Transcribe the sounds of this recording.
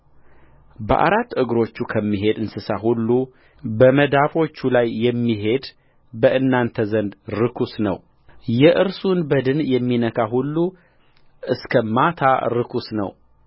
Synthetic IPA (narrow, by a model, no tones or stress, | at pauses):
bəʔa̰ɾat̪ːʔɨɡɾo̞t͡ʃːukʰəmːiɦe̞d̪ɨnsɨsahulːu | bəməd̪afo̞t͡ʃːulajːɛmːiɦe̞d̪ | bəʔɨnːant̪ʰəzənd̪ɾɨkʰusnə̰w | jɛʔɨɾsunbəd̪ɨnjɛmːinəkʰaɦulːu | ʔɨskʰəmat̪ʰa̰ɾɨkʰusnə̰w